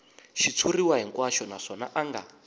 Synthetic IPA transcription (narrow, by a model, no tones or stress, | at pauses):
ʃit͡sʰuriwaɦiŋkwaʃɔnaʂɔnaʔaŋɡa